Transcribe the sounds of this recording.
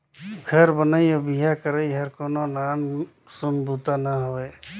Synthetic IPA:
ɡʱəɾbənaiobiɦakəɾəiɦəɾkoːnonaːn | sʊnbʱut̪anəɦoʋe

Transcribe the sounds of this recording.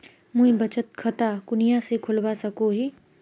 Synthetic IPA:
mũĩbɐt͡ʃət̪̚kʰɐt̪akʊnijasekʰʊlbasɐkoɦiː

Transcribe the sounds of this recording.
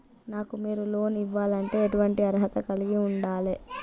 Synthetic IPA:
naːkumiːɾulo̞ːniʋːaːlɐɳʈe̞ːeʈuʋɐɳʈiɐɾɦɐt̪ɐkɐliɡiuɳɖaːle

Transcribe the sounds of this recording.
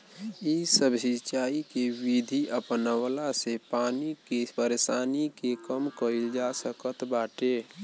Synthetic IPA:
isəbsit͡ʃaːikewid̪ʱiʔəpnəwlasepaːnikepəɾesaːnikekəmkəild͡ʒasəkət̪baːʈe

